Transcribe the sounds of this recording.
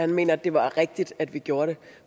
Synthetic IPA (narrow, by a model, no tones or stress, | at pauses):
hænme̝̰ːnɐd̥e̝ʋɑ̈ʁɛɡ̥̚d̥id̥æd̥ʋiɡ̥jo̝ːɐɾ̥e̝